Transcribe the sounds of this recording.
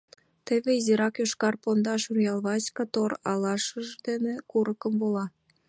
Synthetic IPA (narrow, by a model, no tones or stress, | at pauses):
t̪eβeiziɾɑkjoʃkɑrpond̪ɑʃurjɑlˠβɑsʲkɑt̪orɑlɑʃə̆ʒd̪enĕkuɾɤ̆kə̆mbolˠɑ